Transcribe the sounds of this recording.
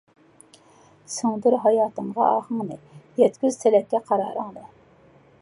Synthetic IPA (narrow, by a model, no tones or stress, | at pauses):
sɨŋd̪uɾɦɑjɑːt̪əɴʁɑ̰ʔɑχəŋnɨjɛt̪kʲyz̥t̪ʰɛlɛkʲːɛqʰɑɾɑ̰ːɾəŋd̪ɨ